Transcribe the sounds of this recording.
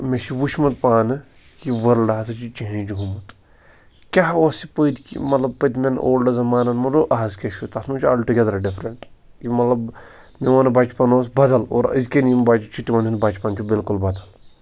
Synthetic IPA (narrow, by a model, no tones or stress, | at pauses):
meʃiʋuʃmɐt̪̚paːnɨ | kiʋɐɾlɖaɦsɐt͡ʃit͡ʃiɦẽt͡ʃɡumɐt̪ | kʲaɦoːsipəd̪kḭmɐt̪lɐb̚pəd̪menʔoːlɖɐzɐmaːnɐnmɐuʔɐːzkʲeʃut̪ɐsmɐt͡ʃʰa̰ːlʈuɡʲɛd̪ɐɾɐɖifʰɾɐɳʈ | kimɐt̪lɐb | meʋanbat͡ʃpanoːs̬bɐd̪ɐlo̰ːɾə̰zkenimbat͡ʃit͡ʃʰit̪iʋaninbaːt͡ʃpaːnt͡ʃʰubilkulbɐd̪ɐl